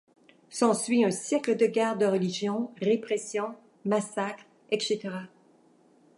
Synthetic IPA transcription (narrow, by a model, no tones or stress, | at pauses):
sɑ̃sɥiœ̃sjɛkləd̪əɡʲaʁd̪əʁəliʒjɔ̃ʁepχɛsjɔ̃ | masakχ | ɛt̪set̪eʁa